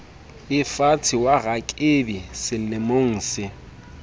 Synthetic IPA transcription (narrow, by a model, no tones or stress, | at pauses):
ɪfat͡sʰɪwaɣakʼebisɪnemoŋ̩ːsɪ